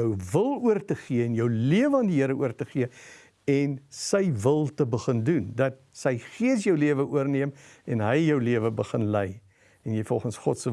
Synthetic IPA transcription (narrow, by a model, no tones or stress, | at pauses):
əwvəlˠuərtəχiəɛnjəwliəvəɐːndiɦiəɾəuərtəχiə | ɛnsəjvəlˠtəbəχəndundɐt̚ | səjχiəs̬jœwliəvəʔuərniəmɛnɦəjːœwliəvəbəχənlɛj | ɛnjɛjfɔlˠχənsχɔtsə